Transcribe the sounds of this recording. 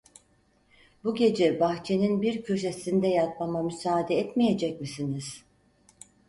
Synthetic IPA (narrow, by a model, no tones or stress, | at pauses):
buɟe̞d͡ʒɛbaxt͡ʃʰe̞ninbiɾcʰøʃ̬e̞sind̪ɛjat̪̚mamamysaːd̪ɛɛt̪mije̞d͡ʒɛc̚misiniz̥